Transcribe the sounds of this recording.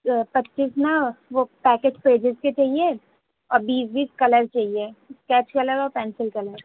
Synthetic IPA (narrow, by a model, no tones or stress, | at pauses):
pɐtːt͡ʃisnɐʋopɛːkeːʈpɾeːd͡ʒɪzket͡ʃaɦie | ɔːɾbiːsbiːskɐləɾt͡ʃaːɦieskɛːt͡ʃkɐləɾɔːɾpɛ̃ːnsɪlkɐləɾ